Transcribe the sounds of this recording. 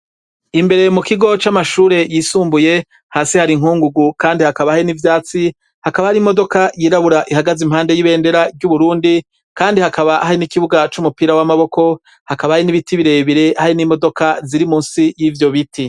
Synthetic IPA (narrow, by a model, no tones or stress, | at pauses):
imbe̞ɾe̞mukiɡo̞t͡ʃamaʃuːɾe̞jiːsuːmbuje̞ | haːsihaɾiŋ̥huːŋɡuɡukaːndihakaβahaɾinivjaːt͡si | hakaβahaɾimo̞do̞kajiːɾaβuɾaʔiɦaɡazim̥haːnde̞jiβe̞ːnde̞ɾaɾɟuβuɾuːndi | kaːndihakaβaʔahaɾinikiβuɡat͡ʃumupiːɾawamaβo̞ko̞ | hakaβahainiβitiβiɾe̞βiɾe̞ʔhaɾinimo̞do̞kaziɾimuːnsijivjo̞βitʰi